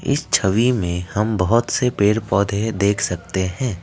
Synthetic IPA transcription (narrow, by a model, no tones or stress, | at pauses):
ɪ̰st͡ʃʰəʋimẽhɐmbəɦʊt̪sepeːɾpɔːd̪ʱed̪eːkʰsɐk̚t̪eɦɛ̃ː